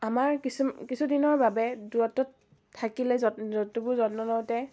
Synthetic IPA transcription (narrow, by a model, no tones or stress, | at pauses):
amaɹkisumkisʰudinɔɹbabɛduɔtɔtʰː | akilɛzɔɔtubʊzɔtnɔnɔtɛ